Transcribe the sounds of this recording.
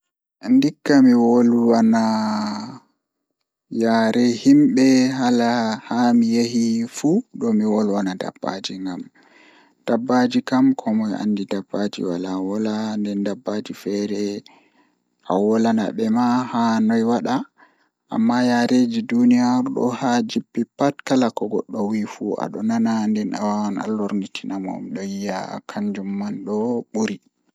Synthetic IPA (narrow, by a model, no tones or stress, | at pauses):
ndikːamiwolwana | jaɾɛhimɓɛɦalahamijehifuɗɔmiwɔlwanada̰b̥ːa̰d͡ʒiŋɡa̰m | d̥abːad͡ʒikamkʰɔmɔja̰nːdidabːad͡ʒḭwa̰lawɔlandɛndabːaːd͡ʒifɛɾɛ | ʔawɔlanaɓɛmahanɔjwaɗa | ʔa̰mːajaɾed͡ʒidunijaɾɗɔ̰had͡ʒibːipatkalakɔɡɔɗːɔwifuʔa̰ɗɔnanandɛnawaana̰lːɔɾnitʰinamɔ̰mɗɔjijakʰaɲd͡ʒumːanɗɔɓuɾi